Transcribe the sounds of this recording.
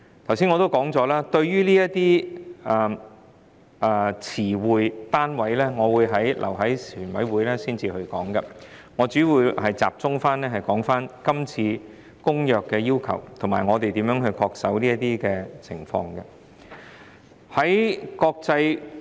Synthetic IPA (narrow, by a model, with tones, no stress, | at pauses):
t̪ʰɐ˨˩wsiː˥ŋɔː˨˧t̪o˥wkɔː˨˥ŋt͡sɔː˨˥laː˥t̪ɵ˧ɥjyː˥liː˥jɐ˥tt̪iː˥ɐː˨˧ | ʔɐ˨˧t͡sʰiː˨˩wuː˨jt̪aː˥nwɐ˨˥jlɛː˥ŋɔː˨˧wuː˨˧jɦɐ˨˥jlʔɐ̰˨˩wɦɐ˨˥jsyː˨˩nwɐ˨˥jwuː˨˧jlɛː˥siː˥nt͡siː˧hɵ˧kɔ̰ː˨˥ŋɡɐ˧ŋɔː˨˧t͡syː˨˥wuː˨˧jhɐ˨jt͡sa̰ː˨p̚t͡sʊ˥ŋfaː˥nlɛː˥ɦɐ˨jkɔː˨˥ŋfaː˥nkɐ˥mt͡sʰiː˧ | kʊ˥ŋjœː˨kːɛː˧jiː˥wkʰɐ̰˨˩wt̪ʰʊ˨˩maː˨˩ŋɔː˨˧t̪e˨jt̪iː˨˥mjœː˨˥ŋɦɵ˧ɥkʰɔː˧k̚sɐ˨˥wniː˥jɐ˥t̪iː˥kɛː˧t͡sʰɪ̰˨˩ŋfɔ̰ː˧ŋɡɐ˧ | hɐ˨˥jkɔː˧k̚t͡sɐ˧j